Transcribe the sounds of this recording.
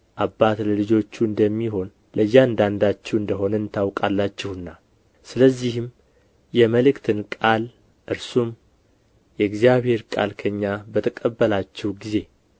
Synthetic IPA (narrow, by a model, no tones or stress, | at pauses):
ʔabːat̪ləlɨd͡ʒo̞t͡ʃːuɨnd̪əmːiɦo̞n | ləjːand̪and̪at͡ʃːɛwɨnd̪əɦo̞nəɨnt̪ʰawkʼalːat͡ʃːɛhɨnːa | sɨləzːihɪm | jɛməlɨkt̪ʰɨnkʼal | ʔɨɾsum | jɛɨɡzijaβhe̞ɾkʼa̰lkʰəɲːabət̪ʰəkʼəbːəlat͡ʃːɛwɡize̞